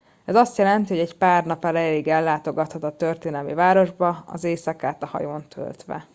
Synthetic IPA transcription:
ɛzɒst̪jɛlɛnt̪iho̞ɟɛcpaːrnɒpɛlɛjɛliɡɛlːaːt̪o̞ɡɒt̪hɒt̪ɒt̪ørt̪eːnɛlmivaːɾo̞ʒbɒɒ̰zeːsɒkaːt̪ɒhɒ̰joːnt̪ʰø̰lt̪ʋɛ̰

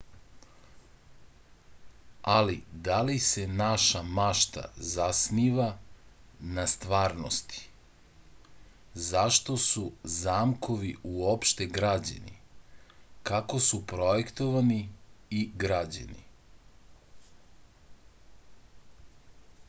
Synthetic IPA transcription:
alid̪alise̞naʃamaʃt̪a̰zasniʋa | nast̪ʋaːɾnost̪i̥ | zaʃt̪o̞suzaːmkʰo̞ʋiuopʃt̪e̞ɡɾad͡ʑa̰nḭ | kako̞supɾojekt̪oʋaniiɡɾad͡ʑa̰nḭ

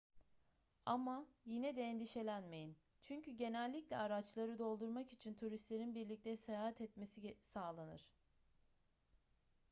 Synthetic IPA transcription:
amajinɛd̪ɛːnd̪iʃe̞lʲænme̞jin | t͡ʃʰyɲcyɟe̞nælʲːiclʲɛaɾat͡ʃlˠaɾɯd̪o̞lˠd̪uɾmakit͡ʃʰint̪ʰuɾist̪lʲe̞ɾinbiɾlʲic̚t̪ʰɛsejaːɦɛt̪ɛt̪me̞sisaːlˠanɯ̰ɾ̥

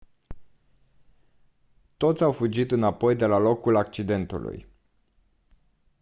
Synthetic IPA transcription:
t̪o̞t̪sʲawfud͡ʒit̪ɨnapo̞jd̪e̞lalo̞kulakt͡ʃid̪e̞nt̪ṵlṵj

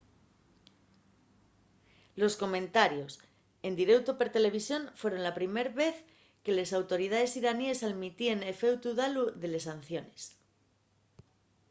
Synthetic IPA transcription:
lo̞sko̞mẽ̞nt̪aɾjo̞s | e̞nd̪iɾe̞wt̪o̞peɾt̪e̞le̞β̞isjo̞nfwe̞ɾo̞nlapɾime̞ɾβe̞θ | ke̞le̞sawt̪o̞ɾið̞aðe̞siɾanie̞salmit̪ie̞nefe̞wt̪uðaluðe̞le̞sanθjo̞ne̞s

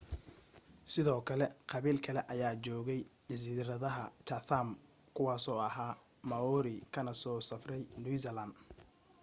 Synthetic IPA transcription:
sɪðɔːkʰɐlɛqʰɑβiːlkʰɐlɛʔɐjaːt͡ʃɔːɣɛjd͡ʒɐs̬iːɾɐðɐɦɐt͡ʃɐθam | kʰʊwɑːsɔːɐɦaː | mɐɔɾɪkʰɐnɐsɔːsɐfrɛjnus̬ɐlɐnd̪

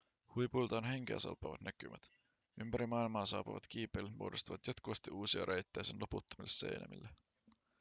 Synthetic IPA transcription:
hujpujlt̪ɑonɦeŋk̟ḛːsɑ̰lpːˑɑʋɑt̪nækymʔæt̪ | ympæɾimɑilmɑːsɑ̰ːpuʋɑ̰t̪k̟iːpˑejlːet̪muodost̪uʋɑt̪jɑt̪kuʋɑst̪iuːsiɑɾʔejt̪ːejsenlʔoput̪ːomilːesːḛjnʔæ̰mḭlːe

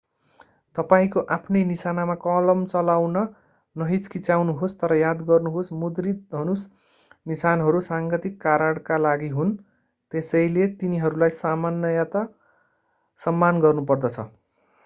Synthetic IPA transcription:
t̪ʌpaĩkoʔapʰnejnisanamakʌlʌmt͡sʌlawnʌ | nʌɦit͡skit͡sawnuɦost̪ʌɾʌjad̪ɡʌrnuɦosmud̪rid̪ɦʌnus | nisanɦʌɾusaŋkʌt̪ikːaɾaɽkalaɡiɦun | t̪esʌjlet̪iniɦʌɾulajsamanjʌjat̪ʌ | sʌmːanɡʌrnupʌrd̪ʌt͡sʰʌ̰

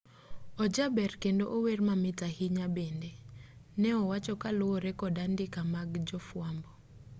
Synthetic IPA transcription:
ɔd͡ʒabɛrkendoʔowermamɪtahɪɲabendenɛɔwat͡ʃɔkalowoɾɛkɔdandɪkamaɡd͡ʒɔfwambɔ

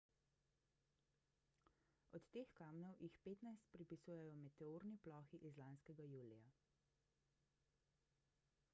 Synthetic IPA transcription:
ɔt̪ːeːxkaːmnɔwjixpeːt̪najst̪̚pɾipisuːjɛjɔmɛt̪ɛoːɾniplɔːxiʔizlaːnskɛɡajuːlija

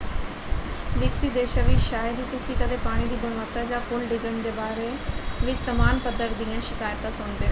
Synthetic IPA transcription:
ʋɪksiːd̪eːʃãːʋiːʃaːjəd̪iːt̪ʊsĩːkəd̪eːpaːɽ̃iːd̪iːbəɳʋaːt̪aːd͡ʒãːkʊlɖɪɡɾəɳd̪eːbaːɾeː | ʋɪt͡ʃsəmaːnpəd̪əɾd̪ijãːʃɪkaːjət̪ãːsʊɳd̪eːoː

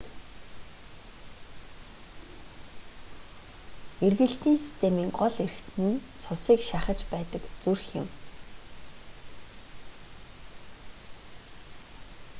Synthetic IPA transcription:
erɣɘ̆ɬt̪iːnsi̥st̪ʰemiːŋɢɔɮer̆xt̪ʰɘ̆nt͡sʰʊsiːkʃaχə̆t͡ɕpæːt̪ə̆kt͡surxjɪ̰̆m

